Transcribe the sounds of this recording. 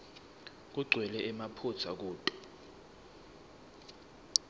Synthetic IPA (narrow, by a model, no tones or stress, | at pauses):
k̬uɡ͡ǀʱwɛlɛʔɛmapʰut͡sʰa̰k̬uːtʼɔ̥